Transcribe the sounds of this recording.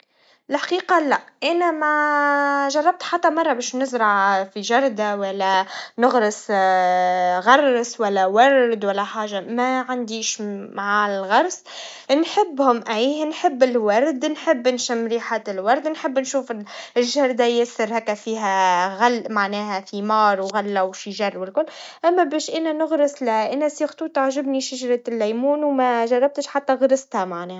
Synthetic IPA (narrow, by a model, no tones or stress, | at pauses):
ɪlħḁqiːqɑlæʔʔænæma | ʒɑrˤːɑb̚t̪ħat̪ːæmɑrˤːɑbɛːʃnʊzɾˤɑʕfiʒɑɾˤd̪awælːænʊɣɾɑs | ɣɑɾˤːswælːæwɑɾˤd̪wælːæħaːʒːamæʕand̪iːʃmaʕalɣɑɾˤs | nħɪbːhʊmʔæjnħɪbːɪlwɑɾˤd̪nħɪbːɪnʃɪmɾiːħat̪ɪlwɑɾˤd̪nħɪbːnʃuːfɪɪʒːɑɾˤd̪ajɪsːɪɾhæːkːæfiːɦæɣalmaʕnæːhæfimɑːɾˤwɣalːawʃiʒɑrˤːwɪlkʊlːʔæmːæbæːʃʔænænʊɣɾɪslæʔænæsixt̪ˤuːt̪aʕʒɪbniʃaʒɾˤɑt̪lːæjmuːnwmæʒɑrˤːɑb̚t̪ɪʃħat̪ːæɣɾˤɑsˤt̪hæmaʕnɛːhæ